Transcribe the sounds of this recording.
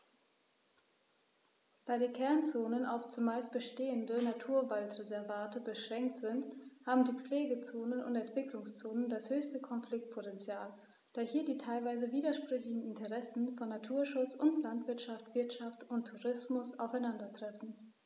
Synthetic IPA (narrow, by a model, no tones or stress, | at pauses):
d̥aːdiːkʰɛɐnt͡soːnəna̰ʊft͡sumaɪst̚b̥əʃteːəndənatʰuːɐvaltʁezɛɐvaːtəbəʃʁ̥ɛŋk̚tz̥ɪnthaːbm̩diːp͡fleːɡət͡soːnənʊ̰ntɛntv̥ɪklʊŋst͡soːnəndashøːçstəkʰɔnflɪk̚t̚pʰotɛnt͡sjaːl | d̥aːhiːɐdiːtʰaɪlvaɪzəviːdɐʃpʁ̥ʏçlɪçn̩ɪntəʁɛsn̩fɔnːatʰuːɐʃʊt͡sʊntlantv̥ɪɐtʃaftv̥ɪɐtʃaftʊntʰːuʁɪsmʊsa̰ʊfaɪnandɐtʁ̥ɛfn̩